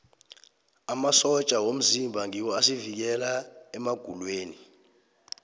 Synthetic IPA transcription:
amasɔt͡ʃʼawom̩zimbʱaŋiwɔasivik̬ɛlaɛmaɡ̥ʱulweːni

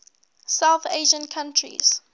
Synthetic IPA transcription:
sawθeʒə̃nkʰãntʰɹḭz̥

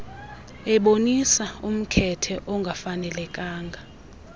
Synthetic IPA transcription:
ɛɓonisaum̩kʰɛtʰɛʔɔŋɡʱafanɛlɛkʼaːŋɡʱa

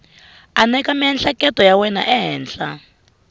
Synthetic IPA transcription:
anɛkamiɦɛnɬakɛtɔjawɛna̰ʔɛɦɛːnɬa

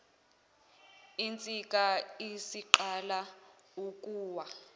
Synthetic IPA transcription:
int͡sʼikʼaisiǃalaukʼuːwa

